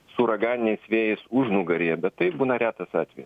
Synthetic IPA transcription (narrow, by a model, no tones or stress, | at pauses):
sʊɾɐɡɑːnʲɪnʲɛɪsʋʲeːjɛɪsʊʒnʊɡɐɾʲiːɛbʲɛt̪tɐɪbuːnɐɾʲæːt̪ɐsɑ̰ːt̪ʲʋʲɛ̰jɛs